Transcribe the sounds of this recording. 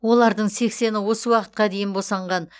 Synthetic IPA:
wo̞lˠɑɾd̪əɴse̞kse̞nɪwo̞səwɑqə̥t̪̚qɑd̪e̞jɪnbosɑɴʁɑn

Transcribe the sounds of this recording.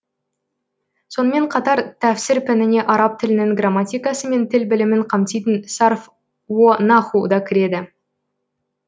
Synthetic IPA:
so̞nəme̞ɴqʰɑt̪ɑɾt̪ʰæfsɪɾpʰɪnɪne̞ʔɑɾɑp̚t̪ʰɪlɪnɪŋɡramːat̪ʲijkɑsəme̞nt̪ʰɪlbɪlɪmɪɴqʰɑmt̪ijt̪ənsɑrf | wonɑχud̪ɑkʲʰɪɾe̞d̪ɪ

